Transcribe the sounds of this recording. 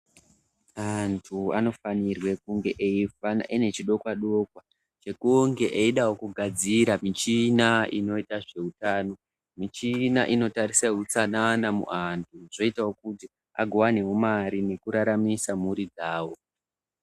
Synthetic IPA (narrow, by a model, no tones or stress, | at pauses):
antʰuano̞fanirwe̞kuŋɡe̞ʔeifana̰ʔine̞t͡ʃiɗo̞kwaɗo̞kwa | t͡ʃe̞kuŋɡe̞ʔeiɗawokuɡʱad͡ziɾamit͡ʃinaḭno̞itaʐe̞utaːno̞ | mit͡ʃinaʔino̞taɾisaut͡sananamṵʔantʰuʐo̞itawo̞kuti | a̰ɡʱowanewomaɾine̞kuɾaɾamisamuɾid͡zaːwo̞